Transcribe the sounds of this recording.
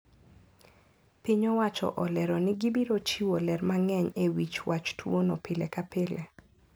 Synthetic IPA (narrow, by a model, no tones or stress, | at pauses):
piɲɔwat͡ʃɔ̰ʔɔlɛɾɔnɪɡibiɾot͡ʃiwolɛɾmaŋɛɲewit͡ʃwat͡ʃtʰwonɔpɪlekapɪle